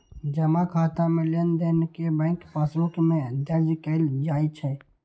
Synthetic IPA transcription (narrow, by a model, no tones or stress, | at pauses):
d͡ʒəmakʰaːt̪amẽlend̪enkebɛ̃ŋkpəsukmẽd̪əɾd͡ʒkəld͡ʒaːit͡ʃʰɛ